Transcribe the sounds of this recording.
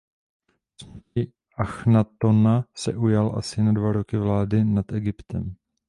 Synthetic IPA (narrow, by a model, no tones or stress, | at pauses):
smcɪ | ʔaxnat̪onasɛʔujalʔa̰sɪnadvaɾo̞kɪvlaːdɪnat̪ɛɡɪpt̪ɛm